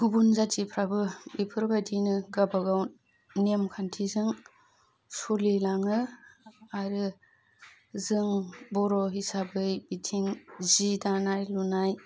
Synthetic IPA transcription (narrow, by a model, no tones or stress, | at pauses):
ɡubunzatipʰɾabɯipʰɯɾbadinɯɡabaɡawn | nemkʰantʰizɯŋ | sulilaŋɯ | aɾɯ | zɯŋbɔɾɔɦisabɯjbitʰiŋzidanajlunaj